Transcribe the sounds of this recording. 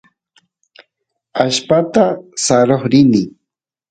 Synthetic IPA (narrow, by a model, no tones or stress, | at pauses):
aʃpat̪asaɾoχɾɪnɪ